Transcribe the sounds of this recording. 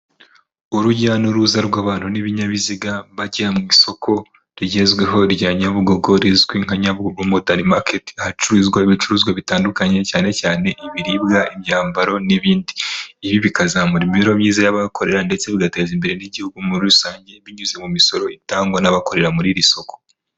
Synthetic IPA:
uɾuɟanoɾuzaɾɡwaːβaːn̥uniβiɲaβiziɡaβaɟamŋiso̞kʰo̞ | ɾiɟe̞zɡwe̞ɦo̞ɾɟaɲaβuɡo̞ɡo̞ɾizɡwiːŋ̥haɲaβuɡoɡomodaɾimaketi̥ahat͡ʃuɾuːzɡwaiβit͡ʃuɾuːzɡwaβitaːndukaɲe̞caːne̞caːne̞ʔiβiɾibɡaʔimjaːmbaɾo̞niβiːndiːβiβikazamuɾimiɾo̞mɲiːzajaβakʰo̞ɾe̞ɾande̞t͡se̞βiɡate̞ːzimbe̞ɾe̞niɟihuɡumuɾiusaːɲɟe̞βiɲuze̞mumiso̞ɾo̞itaːŋɡwanaβako̞ɾe̞ɾamuɾiɾiso̞ko

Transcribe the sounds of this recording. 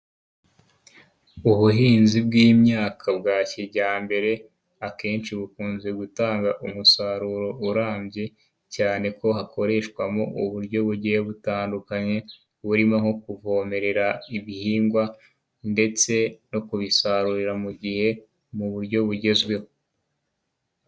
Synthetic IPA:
uβuɦiːnzibɡiːmɲaːkʰabɡaːciɟaːmbe̞ɾe̞ | ake̞ːnt͡ʃiβukuːnze̞ɡutaːŋɡaʔumusaɾuɾo̞uɾaːmbɟe̞ | caːne̞ko̞ɦakʰo̞ɾe̞ːʃkwamoʔuβuɾɟo̞βuɟiheβutaːndukaɲe̞ | βuɾimaho̞kuvo̞ːme̞ɾe̞ɾaiβihiːŋɡwa | nde̞t͡se̞no̞kuβisaɾuɾiɾamuɟihe̞ | muβuɾɟo̞βuɟe̞zɡwe̞ho

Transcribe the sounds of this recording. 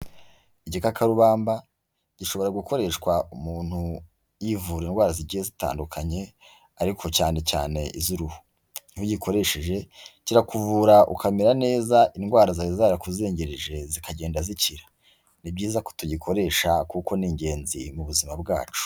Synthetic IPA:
iɟikakaɾuβaːmba | ɟ̥iʃo̞βo̞ɾaɡuko̞ɾe̞ʃkwaumuːn̥hu | jivuːɾinɡwaːɾaziɟiːjezita̰ːndukʰaɲe̞ | aɾikʰo̞caːne̞ca̰ːne̞ʔizuɾuhu̥ | ihuɟikʰo̞ɾe̞ʃeʒe̞ciɾakuvuːɾaʔṵkamiɾane̞ːzaʔinɡwaːɾazaɾizaːɾakuzeːɲɟeɾeʒezikaɟeːndaziciɾḁ | nibɟiːzaku̥tuɟikʰo̞ɾe̞ːʃakuko̞niːɲɟe̞ːnzḭmuβuzimabɡa̰ːt͡ʃu̥

